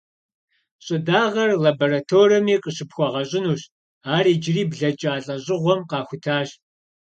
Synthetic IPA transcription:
ɕʼɪdaːʁɐrlaboɾatʰoːrɐmiːqʼəɕɨpxʷɔʁɐɕʼɪnuːɕ | aːriːd͡ʒɪriːbɮɐt͡ʃʼaːɬʼɐɕʼɪʁʷɔmqɑːxʷʊtʰaːɕ

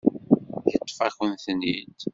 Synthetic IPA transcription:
jət̪ˤːfæçənθnːid̪

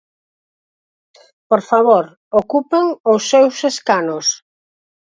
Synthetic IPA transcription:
poɾfaβ̞oɾ | okupeŋosːewseskanos

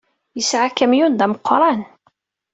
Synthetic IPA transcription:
jəsʕakːæmjund̪æməqːɾˤɑn

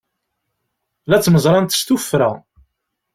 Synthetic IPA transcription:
læt͡sːməzˤɾˤɑnt̪st̪ufɾæ

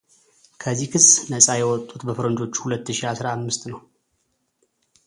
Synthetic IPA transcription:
kʰəzːihkʰɨsːnəsʼajɛwɔt̪ʼːut̪ʼbəfɨɾənd͡ʒo̞t͡ʃːhulət̪ːɨʃiasɾaamːɨst̪nəw

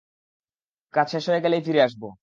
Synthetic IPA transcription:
kat͡ɕʰeʃɔekɛlejfiɾeaʃbo

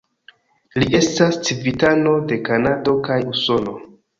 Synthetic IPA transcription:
liʔe̞stast͡sivitano̞de̞kanado̞kajuso̞lo̞

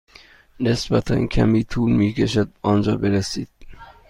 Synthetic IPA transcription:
nesbæt̪ʰæ̰ncʰæ̰miːt̪ʰuːlmiːkʰeʃæd̪̚ɒnd͡ʒɒːbeɾæsiːd̪̥̚

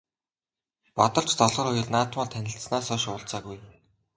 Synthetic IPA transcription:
pɔt̪ɞ̆ɮt͡ɕt̪ɔɮʁɞ̆rʊjɞ̆rnaːt̪̆mɔːt̪ʰænʲɪ̆ɬt̪̆snaːsɔʃʊːɮt͡saːɣuj

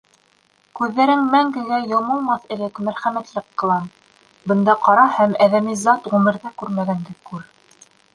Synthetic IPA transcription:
kʉðːæɾɘŋmæŋɡɘ̆ɡæjŏlˠmɤlˠmɑθɘ̆lɘkmæɾχæmæt̪lɘqːɤ̆lˠɑn | bɤ̆nd̪ɑqɑɾɑhæmæðæmizɑt̪ʁʉmɘ̆ɾðækʉɾmæɡænd̪ɘkʉɾ

